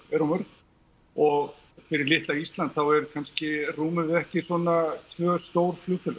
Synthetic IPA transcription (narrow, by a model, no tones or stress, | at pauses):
ɛɾɔmœɾk | ɔɣ | fɪɾɪɾlɪht̪laist̪lant̪̚θawɛɾkʰanscɪruːmʏɪðɛhcɪsɔːnat̪ʰvœːst̪owɾflʏɣfʏl